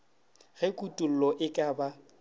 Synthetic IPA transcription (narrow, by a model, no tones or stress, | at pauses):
ɣɪkʼutʼul̩lɔʔɪkʼaba